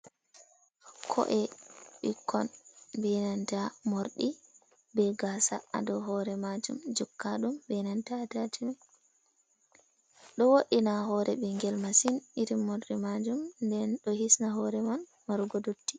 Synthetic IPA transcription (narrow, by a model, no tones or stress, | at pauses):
kʰɔ̰ʔɛɓḭkʰɔnbɛnantamoɾɗi | bɛɡasaa̰dɔɦɔɾɛmad͡ʒumd͡ʒɔkːaɗumbɛnantatatinɛ | ɗɔwoɗinaɦɔɾʔɛbɛŋɡɛlmasiniɾimːoɾɗimad͡ʒumndɛnɗɔhisnaɦɔɾɛman | maɾuɡɔdotːi̥